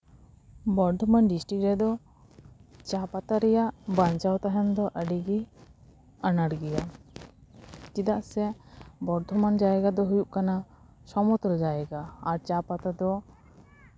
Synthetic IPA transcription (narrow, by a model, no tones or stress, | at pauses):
bɔɾd̪ʱɔmanɖisʈɾik̚ɾɛd̪ɔ | t͡ʃapat̪aɾɛjaʔbaɲt͡ʃawt̪aɦand̪ɔʔəɖiɡi | anaɽɡɛja | t͡ʃid̪aʔsɛbɔɾd̪ʱɔmand͡ʒaɛɡad̪ɔɦujuʔkana | sɔmɔt̪ɔld͡ʒaɛɡaːɾt͡ʃapat̪ad̪ɔ